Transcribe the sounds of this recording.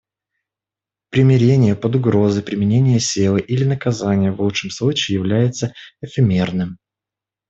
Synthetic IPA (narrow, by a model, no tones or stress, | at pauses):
pɾʲɪmʲɪɾʲenʲɪjəpəd̪ʊɡɾo̞zɨjpɾʲɪmʲɪnʲenʲɪjəsʲilˠɨʔilʲɪnəkɐzanʲɪjəvlˠut͡ʂʂɨmslˠut͡ɕɪːjɪvlʲæjɪt̪səɪfʲɪmʲe̞rnɨm